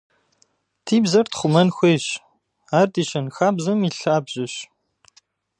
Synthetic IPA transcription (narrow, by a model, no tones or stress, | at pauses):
tʰiːbzɐrtχʷʊmɐnxʷeːɕ | aːrdiːɕɐnxaːbzɐmiːɬaːbʑɪɕ